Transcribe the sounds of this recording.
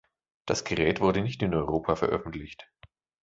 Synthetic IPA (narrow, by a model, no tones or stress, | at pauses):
d̥asɡ̥əʁɛːtv̥ʊɐdənɪçtɪnɔʏʁoːpʰafɛɐʔœ̰fn̩tlɪçt